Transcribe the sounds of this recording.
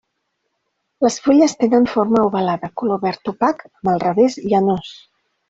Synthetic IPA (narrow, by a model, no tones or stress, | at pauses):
ləsfuʎəst̪enənfoɾməuβəlaðəkuloβɛɾt̪upakəməlˠrəβeziənos